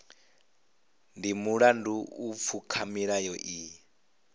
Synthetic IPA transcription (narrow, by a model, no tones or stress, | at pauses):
ndimuɺanduːp̪fʰukʰamiɺajɔʔiː